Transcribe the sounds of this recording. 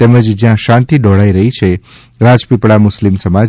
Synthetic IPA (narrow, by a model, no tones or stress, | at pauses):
t̪eməd͡ʒd͡ʒjãʃãnt̪id̪ɔɽaiɾəɦit͡ʃʰe | ɾad͡ʒpipɽamʊslimsəma